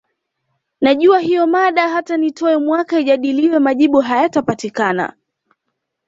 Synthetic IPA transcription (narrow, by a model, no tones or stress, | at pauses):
naʄuaɦijɔmaɗaɦatanitɔɛmwakaiʄaɗiliwɛmaʄiɓuɦajatapatikana̰